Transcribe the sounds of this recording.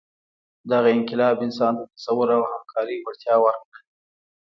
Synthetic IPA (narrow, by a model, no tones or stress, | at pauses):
d̪aɣaɪŋkɪlɑbɪnsɑnt̪at̪ḁsawəɾawhamkʰɑɾiwaɽt̪jɑwaɾkɽa